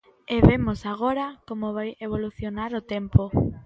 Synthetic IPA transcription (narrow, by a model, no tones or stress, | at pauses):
eβemosaɣ̞oɾakomoβajeβ̞oluθjonaɾot̪empo